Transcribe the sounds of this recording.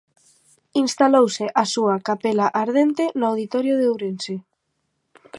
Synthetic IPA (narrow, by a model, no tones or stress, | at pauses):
inst̪alowseʔasuakapelaʔaɾðent̪enʊawðit̪ɔɾjoðeowɾense